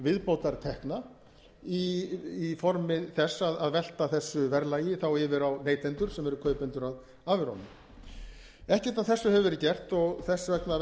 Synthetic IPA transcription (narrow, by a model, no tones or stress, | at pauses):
vɪðpowt̪aɾ̥t̪ʰɛhkna | iː | fɔɾmɪθɛsːaðaðvɛl̥t̪aθɛsːʏvɛɾlaːjɪθawɪvɪɾawneːjt̪ɛnt̪ʏɾ̥sɛmɛɾʏkʰœːɥpɛnt̪ʏɾað | aːvɪɾhɔ̰nʏm | ɛhcɛɾ̥t̪aðθɛsːʏhɛvʏvɛɾɪcɛr̥t̪ɔɣθɛsːavɛkna